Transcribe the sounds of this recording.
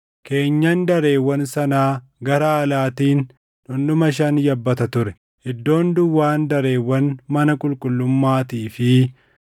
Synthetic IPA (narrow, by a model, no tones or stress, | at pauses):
ke̞ːɲːɐnd̪ɐɾe̞ːwːɐnsɐnaː | ɡɐɾaːlaːt̪iːn | ᶑʊnɗʊmɐʃ̬ɐnjɐbːɐt̪ɐt̪ʊɾɛ | hɪd̪ːo̞ːnd̪ʊwːaːnd̪ɐɾe̞ːwːɐnmɐnɐkʼʊlkʼʊlːʊmːaːt̪iːfɪ